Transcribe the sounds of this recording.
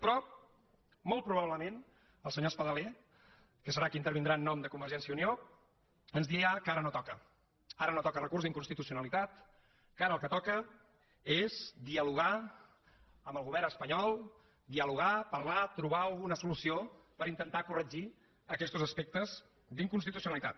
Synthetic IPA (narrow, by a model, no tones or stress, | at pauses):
pɾɔ | molˠt̪̚pɾuβaβləmen | əlˠsəɲospəðəlɛ | kəsəɾakint̪əɾβind̪ɾaːnːɔmd̪əkumbəɾʒɛnsiəunio | ənzðiakaɾənot̪ɔkə | aɾənot̪ɔkərəkurzðiŋkunst̪it̪usiunəlit̪at̪ | kaɾəlˠkət̪ɔkə | ezd̪iəluɣa | əməlˠɣuβɛrnəspəɲɔlˠ | d̪iəluɣ̞apərlat̪ɾuβaəlˠɣunəsulusiopəɾint̪ənt̪akurəd͡ʒi | əkɛst̪uzəspek̚t̪əz | d̪iŋkunst̪it̪usiunəlit̪at̪